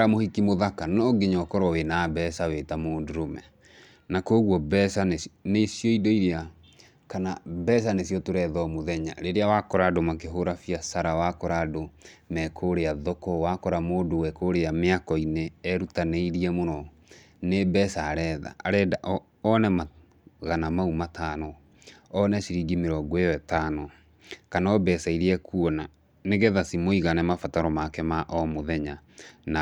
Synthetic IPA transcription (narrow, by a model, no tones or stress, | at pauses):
ɾamohikimoðakanɔɡeɲɔkɔɾɔwenaːbɛsaweːtamoːdoɾomɛ | nakoɣwɔbɛsanenesjɔidoiɾea | kanabɛs̬anesijɔtoɾɛðɔmoðɛɲa̰ɾeɾeawakɔɾadomakeɦoɾafiasaɾawakɔɾadomɛkʰoɾeaðɔkɔwakɔɾamoːdowɛkoɾeameakɔineɛɾutaneiɾiɛmonɔ | nebɛsaɾɛːða̰aɾɛdaʔ | ɔnɛma | ɣanamaumatʰaːnɔ | ɔnɛʃiɾiɡimeɾɔɡɔeɔɛtaːnɔ | kanaɔbɛsaiɾiɛkuɔna | neɣɛðasimoiɣanɛmafataɾɔmakɛmaʔɔmoðɛɲana